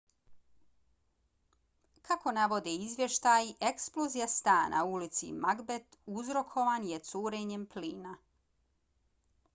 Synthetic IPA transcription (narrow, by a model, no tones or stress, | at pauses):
kʰako̞naʋo̞d̪eizʋje̞ʃt̪aːje̞ksplozijast̪aːnʔa̰ulit̪sḭmaɡbet̪uzɾo̞kʰo̞ʋaːnjet̪suːɾeɲempliːna